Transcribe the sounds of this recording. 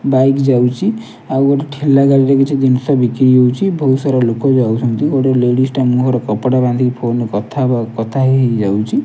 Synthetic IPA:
bajkd͡ʒawt͡ʃʰi | awoʈaʈʰelːaɡaliɾɛkit͡ʃʰid̪insɔbikɾiɦowt͡ʃʰibʱɔɦut̪saɾalokɔd͡ʒawt͡ʃʰɔ̃nt̪ioʈɔleɽisʈamũɦɔɾɔkɔpɽaband̪ʱikipʰonkɔt̪ʰaakɔt̪ʰaɦɦed͡ʒawt͡ʃʰi

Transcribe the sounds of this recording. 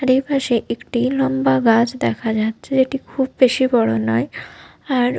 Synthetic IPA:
aɾejpaʃeʔekʈilɔmbaɡad͡ʑd̪ɛkʰad͡ʑatːɕʰed͡ʑeʈikʰubbeʃibɔɽonɔe | aɾ

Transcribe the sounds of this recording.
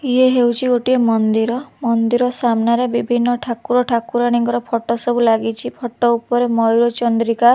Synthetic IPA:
ieɦewt͡ʃʰiɡoʈiemɔnd̪iɾɔmɔnd̪iɾɔsamnaɾebibʱinːɔʈʰakuɾɔʈʰakuɾaɽ̃iŋkɔɾɔpʰɔʈɔsɔbulaɡit͡ʃʰipʰɔʈɔupɔɾemɔjɾot͡ʃɔnd̪ɾikaɾ

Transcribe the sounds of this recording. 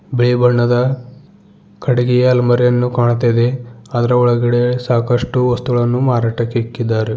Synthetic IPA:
beɭibɐɳːɐd̪ɐ | kʰɐɽiɡɛjɐːlmɐɾjɐnːukaːɳt̪ːɐd̪e̞ɐd̪ɐɾɐɔɭɐɡiɽe̞saːkɐʂʈuʋɐst̪uɡɐɭɐnːumaːɾaːʈɐkːekːid̪ːaːɾe

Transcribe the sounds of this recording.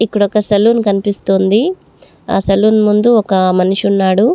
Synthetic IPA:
ipːuɽɔkɐsɐluːnkɐnipist̪oːnd̪i | a̰ːsɐluːnmund̪uɔkɐmɐnuʂunːaːɽu

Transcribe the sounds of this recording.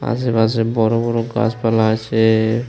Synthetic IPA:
a̰sebasebɔɾobɔɾoɡa̰spalaot͡ɕʰe

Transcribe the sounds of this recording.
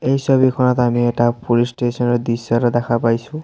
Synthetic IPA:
ejsɔbikʰɔnɔt̪amieʈapulisʈesɔnɾd̪isɔɾɔd̪akʰapajsʰũ

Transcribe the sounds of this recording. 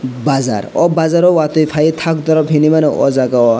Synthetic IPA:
bad͡za̰ɾɔ̰bad͡zaɾɔwat̪ɔjpʰait̪ʰak̚d̪ɔɾɔbʱɦinimaneʔɔ̰d͡zakaɔ

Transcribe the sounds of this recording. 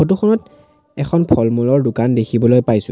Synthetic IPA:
ot̬ukʰɔnɔt | ɛkʰɔnpʰɔlmɔlɔɹdʊkandekʰibɔlojpajsʊ̰̃

